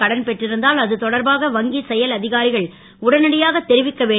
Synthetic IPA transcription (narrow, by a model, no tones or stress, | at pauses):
ɐɽɐnpɛʈrɪɾɯnd̪aːlɐðɯt̪ɔɽɐɾbaːɣɐʋɐŋɡisɛjɐlɐðɪɣaːɾɪɣɐɭ | ʊɽɐnɐɽɐjaːɣɐt̪ːɛɾɪʋɪkːɐʋeː